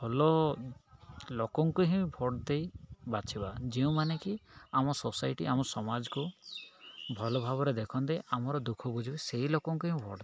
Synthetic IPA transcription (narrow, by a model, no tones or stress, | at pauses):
bʱɔlɔ | lokɔŋkuɦĩbʱɔʈd̪ejbat͡ʃʰibad͡ʒeũmanekiamɔsosajʈḭʔamɔsɔmad͡ʒɔku | bʱɔlɔbʱabɔɾed̪ekʰɔnd̪ejamɔɾɔd̪ukʰɔbud͡ʒʱibiseɦilokɔŋkuɦĩbʱɔʈd̪